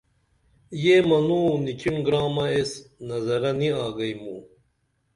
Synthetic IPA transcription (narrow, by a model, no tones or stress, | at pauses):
jemɐnuːnit͡ɕiɳɡɾaːmɐesnɐzɐɾɐniaːɡɐjmu